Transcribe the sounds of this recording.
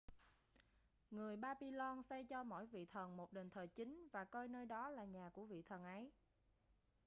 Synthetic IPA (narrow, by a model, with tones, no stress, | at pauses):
ŋɨ˨˩əjɓaː˧ɓi˧lɔ˧nsa˧jt͡ɕɔ˧mɔ̰˧˥˨jvḭ˧˨t̪ʰə˨˩nmo˨˩t̚ɗe˨˩nt̪ʰəː˨˩t͡ɕï˨˦ŋ̟vaː˨˩kɔ˧jnəː˧jɗɔ˨˦laː˨˩ɲaː˨˩ku˧˩əvḭ˧˨t̪ʰə˨˩nʔə˨˦j